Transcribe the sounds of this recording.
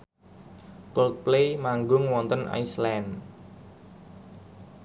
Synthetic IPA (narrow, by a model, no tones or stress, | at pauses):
kɔlk̚plemaŋɡʊŋwɔnt̪ənʔa̰jslɛn